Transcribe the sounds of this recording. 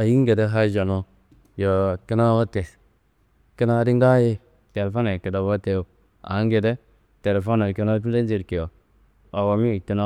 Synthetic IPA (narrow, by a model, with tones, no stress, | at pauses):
a˨ji˦ŋ˦ɡe˨de˦ɦa˦d͡ʒa˨no˦ | jo˨ki˦na˦wa˦te˨s | ki˦na˦di˦ŋ˦da˦je˦ | te˨lfo˦na˨ki˨da˨ba˦te˦jo˨ | a̰˨˦ŋ˦ɡe˨de˦ | te˨lfo˦na˨ki˦na˦t̬u˦de˦n˦d͡ʒi˦ɾke˨jo˨ | a˨wo˨mi˦˨ki˦na˦